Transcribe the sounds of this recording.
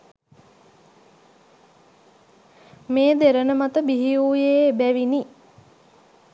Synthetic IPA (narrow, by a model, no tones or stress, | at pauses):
meːd̪eɾənəmat̪əbiɦiuːjebæʋini